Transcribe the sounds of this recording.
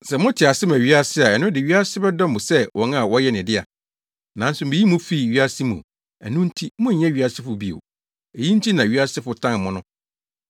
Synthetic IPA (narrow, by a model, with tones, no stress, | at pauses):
sɛ˨mʊ̃˦tʰɪ˨a˨sɪ˦m˨æ˨ɥi˦a˦sɪ˦a˨ɛ˨nʊ̃˦dɪ˨ɥi˦a˦sɪ˦bɛ˦dɔ̃˦mbʊ˨sɛ˦wʔɔ̃˨˦n˦a˦˨wɔ˦jɛ˦˨nɪ̃˨dɪ˦a̰˨ | nã˨˦n̩˦sʊ˨m̩˨i˨ji˦mʊ̃˦fi˦˨ɥi˦a˦sɪ˦mṵ̃˨ | æ̰˨nũ˦n̩˦tʰi˦mʊ̃˦ɲ̩˨ɲɛ̃˦ɥi˦a˦sɪ˦fʊ˨bi˦o̰˨ | e˨ji˦n̩˦tʰi˦nã˨ɥi˦a˦sɪ˦fʊ˨tʰã˦n˨mʊ̃˦nʊ̃˦